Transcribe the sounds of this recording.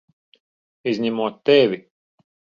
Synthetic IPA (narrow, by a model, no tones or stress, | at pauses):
izʲɲʲæmuɔt̪ːɛvʲi